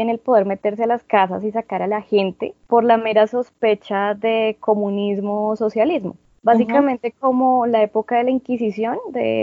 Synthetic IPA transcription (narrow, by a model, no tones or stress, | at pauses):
enelpo̞ðeɾme̞t̪e̞ɾs̬ealaskas̬a̰sis̬akaɾalaxe̞nt̪e̞̰po̞ɾlame̞ɾaso̞spe̞t͡ʃaðe̞ko̞munizmoso̞sjalizmo̞̰ | bassikamẽ̞nt̪e̞ko̞molae̞po̞kaðe̞laiŋkisisjo̞nd̪ḛ